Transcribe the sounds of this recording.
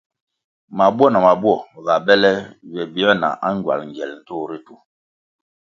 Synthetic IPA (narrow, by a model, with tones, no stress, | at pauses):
ma˨bwɔ˦˨na˨ma˨bwɔ˦˨ɣa˨bɛ˦lɛ˦βɛ˨bi˦ɔ˦na̰˨ʔa˦ŋ˦ɡwa̰˨lŋ˨ɡɛ˨ln̩˨to˦˨ɾi˦tu˨˦